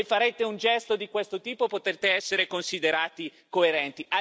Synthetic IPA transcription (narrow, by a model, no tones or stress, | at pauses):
efaɾet̪eund͡ʒɛst̪od̪ikwest̪ot̪iːpopot̪ert̪eɛsːeɾekonsid̪eɾaːt̪i | koeɾɛnt̪ia